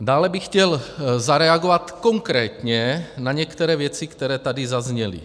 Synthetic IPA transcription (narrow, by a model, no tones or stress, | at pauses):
daːlɛbixcɛlzaɾɛaɡovat̪ko̞ŋkɾɛːt̪ɲɛnaɲɛkt̪ɛɾɛːvjɛt͡sikt̪ɛɾɛːt̪adizazɲɛlḭ